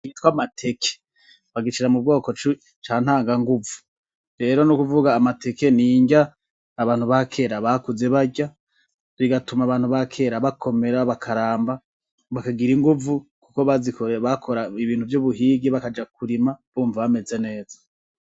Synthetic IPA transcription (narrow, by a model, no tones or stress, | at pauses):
kitkwamatʰe̞kʰe̥ | βaɡit͡ʃiɾamub̚ɡo̞ːko̞t͡ʃu | t͡ʃaːn̥haːŋɡaŋɡuvu̥ | ɾe̞ːɾo̞nukuvuɡaːmate̞ke̞niːɲɟaː | βaːnhuβakʰe̞ɾaβakuze̞βaɟa | βiɡatumaβaːnhuβakʰe̞ɾaβakʰo̞me̞ɾaβakʰaɾaːmba | βakaɡiɾiŋɡuvukukoβazikoɾeβakʰo̞ɾaiβiːnhuvjuβuɦiɡiβakad͡ʒak̚uɾimaβ̥uːɱvaβame̞ze̞ne̞ːz̥ḁ